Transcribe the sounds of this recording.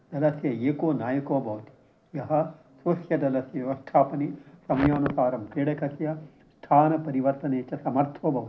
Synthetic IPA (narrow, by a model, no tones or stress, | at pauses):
d̪ɐlɐsjɐeːkoːnaːjɐkoːbʱɐʋɐt̪i̥ | jɐɦɐ̆ | sʋɐsjɐd̪ɐlɐsjɐʋɐsʈ̪ʰaːpɐnisɐmɐjaːnusaːɾɐmkɾiːɽɐkɐsjɐ | sʈ̪ʰaːnɐpɐɾiʋɐɾt̪ɐneːt͡ʃɐsɐmɐɾt̪ʰoːbʱɐʋɐt̪i̥